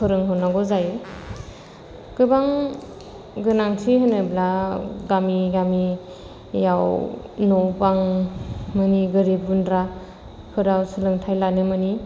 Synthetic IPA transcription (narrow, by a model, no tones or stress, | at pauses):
pʰɯɾɯŋɦɯnaɡɔzajɯ | kɯbaŋ | ɡɯnaŋsʰiɦɯnɯblaɡamiɡami | jawnɔwpaŋ | mɯniɡɯɾibundɾa | pʰɯɾawsʰɯlɯŋtʰajlanɯmɯni